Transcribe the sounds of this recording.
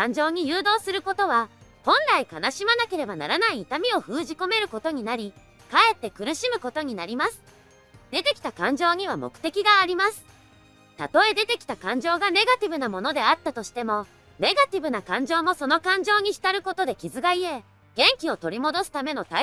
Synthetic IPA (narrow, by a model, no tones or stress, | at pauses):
kãɲ̟d͡ʑo̞ːɲ̟ijɯ̟ːd̪o̞ːsɨɾɯ̟ko̞t̪o̞β̞ahõ̞nɾaikanaɕimanake̞ɾe̞bana̰ɾanaiːt̪amʲio̞ɸɯ̟ːʑiko̞me̞ɾɯ̟ko̞t̪o̞ɲ̟inaɾʲi | kae̞t̪ːe̞kɯ̟ɾɯ̟ɕimɯ̟ko̞t̪o̞ɲ̟inaɾʲimasɨ̥ | d̪̥e̞t̪e̞kʲi̥t̪akãɲ̟d͡ʑo̞ːɲ̟iβamo̞̰kɯ̟̥t̪e̞kʲiɡaːɾʲimasɨ̥ | t̪at̪o̞e̞d̪e̞t̪e̞kʲi̥t̪akãɲ̟d͡ʑo̞ːɡane̞ɡat̪ʲibɯ̟namo̞no̞d̪e̞at̪ːat̪o̞ɕi̥t̪e̞mo̞ | ne̞ɡat̪ʲibɯ̟nakãɲ̟d͡ʑo̞ːmo̞so̞no̞kãɲ̟d͡ʑo̞ːɲ̟içi̥t̪aɾɯ̟ko̞t̪o̞d̪e̞kʲizɨɡaie̞ | ɡ̥ẽ̞ŋkʲio̞t̪o̞ɾʲimo̞d̪o̞sɨ̥t̪ame̞no̞t̪a